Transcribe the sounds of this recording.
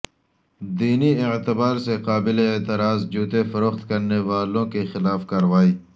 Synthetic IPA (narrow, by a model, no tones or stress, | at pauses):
d̪iːniɪʕt̪ɪbaːɾseqaːbɪleːt̪ɪɾaːzd͡ʒuːt̪efɐɾoxt̪kɐɾnewaːlõkexɪlaːfkɐɾwaːiː